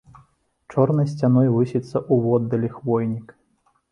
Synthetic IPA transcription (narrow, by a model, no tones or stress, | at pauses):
t͡ʂɔrnɐjsʲt͡sʲan̪ɔjvɨsʲit̪sːɐʔuvɔd̪ːɐlʲixvɔjnʲik